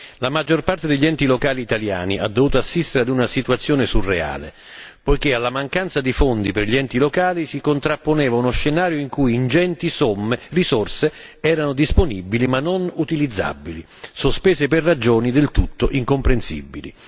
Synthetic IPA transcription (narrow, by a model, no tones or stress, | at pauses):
lamad͡ʒːorpart̪ed̪eʎːiɛnt̪ilokaːliːt̪alja̰ːniʔa̰d̪ːovuːt̪oasːist̪eɾead̪unasit̪uat̪sːjoːnesurːea̰ːlḛ | pojk̟ealːamaŋkant̪sad̪ifond̪iperʎiɛnt̪ilokaːlisikont̪ɾapːonɛːvaunoʃːenaːɾjoiŋkujind͡ʒɛnt̪isomːerisorse | ɛːɾanod̪isponibilimanːonut̪ilid̪zːa̰bːili | sospɛːseperrːad͡ʒoːnid̪elt̪ut̪ːoʔiŋkompɾensḭbːilḭ